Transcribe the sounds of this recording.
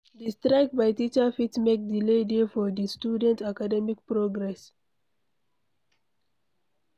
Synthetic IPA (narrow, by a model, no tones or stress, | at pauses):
distɹaɪkbaɪtit͡ʃafitmek̚diledefɔdistjudɛ̃ntakadɛmikpɹoɡɹɛs